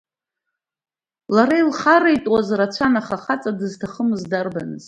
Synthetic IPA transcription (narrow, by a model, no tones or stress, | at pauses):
laɾailχaɾajtʼwazrat͡ʃʷʰanaχaχat͡sʼadɨztʰaχəmɨzdarbanɨ̰zʼ